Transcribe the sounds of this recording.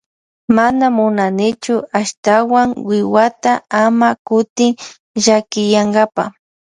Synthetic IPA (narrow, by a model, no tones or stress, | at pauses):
manamʊnanɪt͡ʃʊaʃt̪awaŋwɪwat̪aamakʊt̪ɪŋ | ʒakɪjaŋɡapa̰